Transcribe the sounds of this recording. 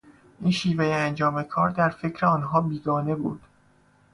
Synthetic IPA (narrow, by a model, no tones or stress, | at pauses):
ʔiːnʃiːvejeænd͡ʒɒːme̞kʰɒːɾd̪æɾfe̞cʰɾeɒːnɦɒːbiːɡ̪ɒːne̞buːd̪̥